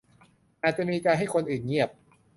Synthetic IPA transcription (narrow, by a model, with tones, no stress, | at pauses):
ʔaː˨˩t̪̚t͡ɕa˨˩ʔmiː˧kaː˧nɦa˥˩jkʰo˧nʔɯː˨˩nɲi˥˩əp̚